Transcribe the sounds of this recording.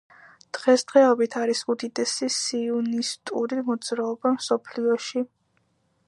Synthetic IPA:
d̪̥ʁɛsd̪̥ʁɛɔbit̪ʰaɾisud̪id̪ɛsisiunist̪ʼṵɾimɔd̪zɾaɔbamsɔpʰliɔʃi

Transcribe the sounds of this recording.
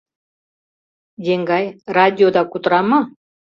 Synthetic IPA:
jeŋɡɑjradʲiod̪ɑkut̪ɤɾɑmɤ

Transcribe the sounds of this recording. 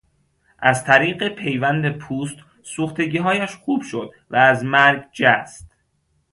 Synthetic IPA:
ʔæzt̪ʰæɾiːɢe̞pʰe̞jvænd̪e̞pʰuːst̪ | suːxt̪e̞ɟiːɦɒːjæʃxuːb̥ʃo̞d̪ | væːzmæɾɡd͡ʒæst̪

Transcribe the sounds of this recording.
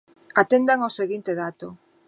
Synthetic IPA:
at̪end̪aŋoseɣint̪eðat̪o

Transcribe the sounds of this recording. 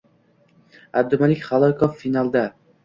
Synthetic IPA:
ab̚d̪ʊmalɪkʲχalˠɒkʰɒfːinalˠd̪a

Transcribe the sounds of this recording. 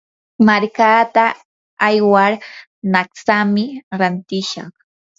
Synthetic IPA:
maɾkaːt̪aː | jwaɾ | naksamɪɾant̪ɪʃɑ̰χ

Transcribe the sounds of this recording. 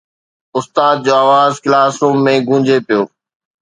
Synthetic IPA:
ʊst̪aːd̪̚d͡ʑoːaːʋaːzkɪlaːsũːmẽɡʱũːɲd͡ʑʱepijoː

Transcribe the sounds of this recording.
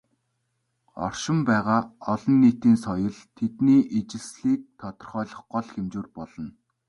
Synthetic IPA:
ɔ̰rʃɪ̆mpæːʁaːɔɮɞ̆nːiːt̪iːnsɔjɞ̆ɮt̪ʰet̪niːʔet͡ɕɪ̆ɮsɮiːk̚t̪ʰːɔt̪ɞ̆rχœːɮɞ̆χɢɔɮxemt͡ɕoːrpɔɮɞ̆n

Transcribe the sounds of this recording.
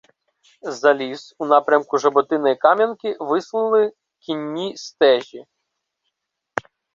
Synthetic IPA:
zɐlʲisunɑpɾʲɐmkʊʒɐbɔt̪ɪnɐjikɑmʲjɐnkɪʋɪslˠɪlˠɪ | kʲinʲːist̪ɛʒʲi

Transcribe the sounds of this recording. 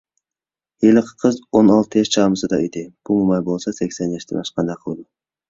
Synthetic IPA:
elɪqʰqʰːəzonɑlˠt̪ʰɨeʃt͡ʃʰɑməsɨd̪ɑʔøjd̪eb̥umumɑjbolˠsɑsekʲsɛnjɑʃt̪enɑʃqɑnd̪ɑqʰəlˠd̪u

